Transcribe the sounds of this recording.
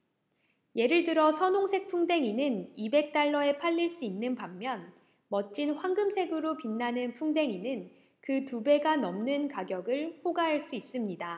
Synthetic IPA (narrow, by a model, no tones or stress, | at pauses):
je̞ɾɯɭdɯɾʌsʰʌnoŋsʰe̞k̚pʰuŋde̞ŋinɯnibe̞k̚t͈aɭːʌe̞pʰaʎːiɭs͈uinːɯnpamːjʌn | mʌt̚t͡ɕ͈inɸwaŋɡɯmsʰe̞ɡɯɾopinːanɯnpʰuŋde̞ŋinɯn | kɯtube̞ɡanʌmnɯnkaɡjʌɡɯɭɸoɡaɦaɭs͈uis͈ɯmɲida